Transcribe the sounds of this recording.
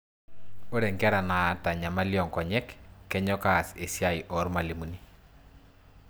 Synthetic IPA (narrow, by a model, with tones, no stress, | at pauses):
o˦ɾɛ˨ŋkɛ˦ɾa˨na˨˦ta˨ɲa˨ma˦ljɔ˨ŋkɔ˨ɲɛ˦kːɛ˦ɲɔ˦ka˦˨se˨sja˦jʔɔ˨˦ɾma˨li˨mu˨ni˦